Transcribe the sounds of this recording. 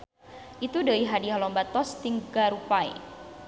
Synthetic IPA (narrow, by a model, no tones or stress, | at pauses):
ʔit̪udəiɦadiɦalɔmbat̪ɔst̪iŋɡaɾupaḭ